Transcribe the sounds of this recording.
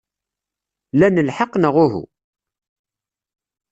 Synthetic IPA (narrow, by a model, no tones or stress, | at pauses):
lænəlħəqːnəʁʊɦṵ